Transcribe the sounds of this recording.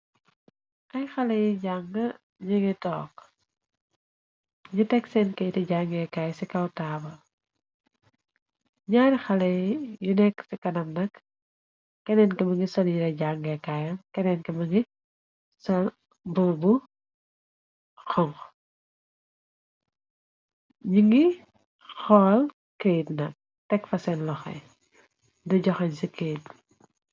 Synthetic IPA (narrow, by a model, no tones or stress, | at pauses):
ʔɐjxɐlɐjɟaŋɡɐ | ɲiŋitɔːk | ɲutɛksɛnkɐjtɐɟaŋɡɛkaːjsikɐwtaːbɐ | ɲaːɾixɐlɐjjunɛksikɐnɐmnɐkː | ɛnɛnkɛbɐŋɡisɔljitɐɟaŋɡɛkajɐkɛnɛnkɛmɐŋɡi | sɔl | bubu | xɔŋk | ɲiŋɡi | xɔːl | kejtnɐk̚ | tɛkfɐsɛnlɔxɛ̰ | dɔɟɔxɐzikʰːejt̚